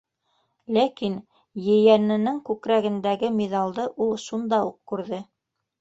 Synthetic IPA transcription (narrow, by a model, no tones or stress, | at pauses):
lækin | jɘ̆jænɘ̆nɘŋkʉkɾæɡɘ̆nd̪æɡɘmʲiðɑlˠd̪ɤʔulˠʃund̪ɑuq̚kʉɾðɘ